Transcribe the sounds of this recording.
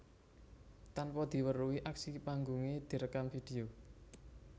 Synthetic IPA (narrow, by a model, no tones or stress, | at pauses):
t̪anpɔd̪̥i̤wəruwiʔaksipaŋɡuŋed̪̥i̤ɾəkanfid̪̥e̤o